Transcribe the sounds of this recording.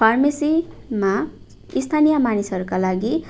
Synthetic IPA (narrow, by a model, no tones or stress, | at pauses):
pʰarmesima | ist̪ʰanijamanisɦʌɾukalaɡi